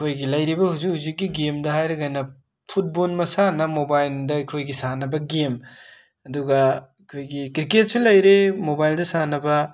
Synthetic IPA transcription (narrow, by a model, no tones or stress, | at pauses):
kʰojɡilɐjɾibɐhuzik̚huzik̚ːiɡemdɐɦajɾeɡajnɐ | pʰut̚bonmɐsanɐmobajldɐɐkʰojɡisanɐbɐɡem | ɐduɡɐikʰojɡikɾiket̚sulɐjɾemobajldɐsanɐbɐ